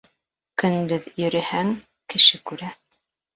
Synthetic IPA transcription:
kɵ̆nd̪ɵðjɵ̆ɾɘ̆hæŋ | kɘ̆ʃɘkʉɾæ

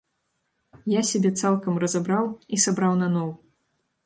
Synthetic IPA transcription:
jasʲabʲɛt̪salˠkɐmrɐzabɾawisabɾawnanɔw

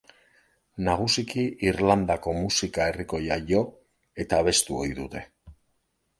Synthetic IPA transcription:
naɣ̞usikiʔiɾland̪ako̞musikae̞riko̞jaʝo̞ | e̞t̪aːβe̞st̪uo̞̰jðut̪e̞

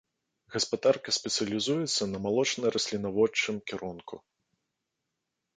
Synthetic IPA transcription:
ɣɐspad̪arkɐsʲpʲɛt̪sɨjɐlʲizujɛt̪sːɐnɐmalˠɔt͡ʂnɐɾɐsʲlʲinavɔt͡ʂːɨmkʲɛɾʔɔnkʰṵ

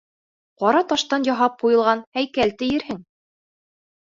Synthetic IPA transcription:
qɒɾɑt̪ɑʃt̪ɑnjɑɦɑp̚qujɤ̆lˠʁɑnhæjkælt̪ɘ̆jɘ̆ɾhɘŋ

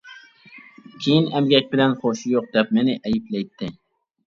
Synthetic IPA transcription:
kʲʰejɪnæmɡʲak̚ʲbɪlanχoʃɪjoq̚d̪ɛp̚menɪʔæjɪplajt̪ʰːɪ

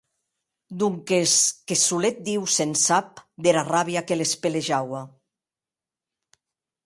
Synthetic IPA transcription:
d̪uŋkeskesulet̪̚d̪iwsensap̚d̪eɾaraβiakelespeleʒawa

